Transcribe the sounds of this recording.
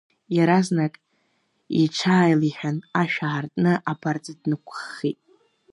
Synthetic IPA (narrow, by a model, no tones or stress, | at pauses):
jaɾaznakʼ | ḭʈ͡ʂʷʰaːjliħᶣanaʃᶣaːrtʼnɨʔapʰart͡sʼɨdnɨkʷʰχitʼ